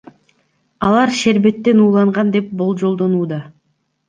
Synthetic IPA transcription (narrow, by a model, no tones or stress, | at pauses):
ɑlˠɑɾʃe̞ɾbe̞t̪ːe̞nuːlˠɑɴʁɑnd̪e̞p̚bo̞lˠd͡ʒo̞lˠd̪o̞nuːd̪ɑ